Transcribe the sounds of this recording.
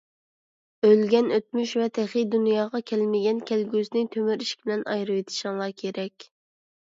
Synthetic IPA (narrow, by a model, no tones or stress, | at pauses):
ølɡʲɛnøt̪̚myʃvɛt̪ʰɛχid̪unjɑːʁɑkʲʰɛlmɪɡʲɛnkʲʰælɡʲysnɪŋt̪ʰømyɾiʃkʲbɪlɛnɑ̰jɾɨwet̪ʰɪ̥ʃɑŋlˠɑkʲʰeɾɛkʲ